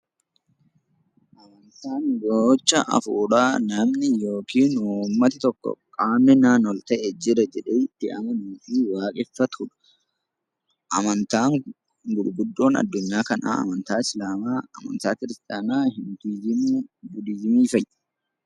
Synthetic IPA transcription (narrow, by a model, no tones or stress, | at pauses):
ʔɐmɐnt̪aːnɡoːt͡ʃːɐʔɐ̰fuːᶑaːnɐmnɪjo̞ːkiːnuːmːɐt̪ɪt̪ɔkːɔ̰kʼaːmːɪnaːnɔlt̪ɐʔɛd͡ʒɪɾɐd͡ʒɛᶑɛɪt̪ːɪʔɐ̰mɐnuːfiwaːkʼɪfːɐt̪ʊᶑɐ̥ | ʔɐmɐnt̪aːŋ | ɡʊᶑbʊd̪ːo̞ːnɐ̰d̪ːʊɲːaːkɐna̰ːɐ̰mɐnt̪aːɪslaːmaːɐmɐ̰nt̪aːkɪɾɪst̪ʼaːnaːhɪni | ɡʊd̪iːzɪmiːfɐj̥ː